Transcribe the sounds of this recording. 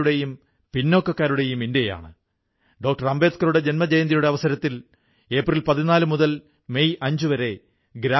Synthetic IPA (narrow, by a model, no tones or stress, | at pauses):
ɽe̞jum | pinːo̞ːkːɐkːaːɾuɽe̞juminde̞ja̰ːɳɨ | ɖo̞ːk̚ʈɐrɐmbe̞ːt̪kɐɾuɽe̞d͡ʑe̞nmɐd͡ʑejɐnd̪ijuɽe̞ɐʋɐsɐɾɐt̪ːil | e̞ːprilpɐðinaːlɨmuðɐl | mejʔɐɲd͡ʑuʋɐɾe̞ | ɡɾaː